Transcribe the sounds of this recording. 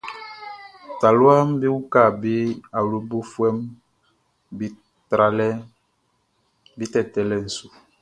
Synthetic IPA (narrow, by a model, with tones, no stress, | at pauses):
ta˨lu˦a˦m˦bi˦wu˦ka˦˨bi˦a˨lu˨bo˦fwɛ˦m | bi˦ | tɾa˨lɛ˦ | bi˦tɛ˦˨tɛ˨lɛ˦˨n̩˨su˨